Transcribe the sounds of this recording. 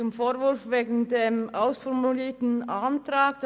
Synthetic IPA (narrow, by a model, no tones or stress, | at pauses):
ʊmfoːɐvʊɐfveːɡn̩demʔaʊsfɔʁmuliːtn̩ʔantʁ̥aːkd̥